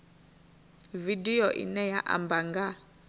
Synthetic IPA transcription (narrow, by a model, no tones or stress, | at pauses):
vidiɔʔḭnɛjaʔa̰mbaŋɡa